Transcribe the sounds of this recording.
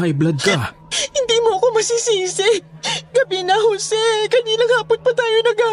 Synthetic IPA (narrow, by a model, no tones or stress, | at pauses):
ajblɐd̪̚kɐ | hɪnd̪iːmoɐko̞mɐsisiːsɛɡɐbɪnɐhosɛkɐniːlɐŋhaːponpɐt̪aːjo̞nɐɡa